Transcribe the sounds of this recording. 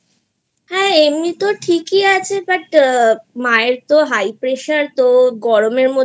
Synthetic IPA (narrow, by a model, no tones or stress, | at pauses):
hɛemnit̪oʈʰikiat͡ɕʰebaʈ | maeɾt̪oɦajpɾeʃaɾt̪oɡɔɾomeɾmo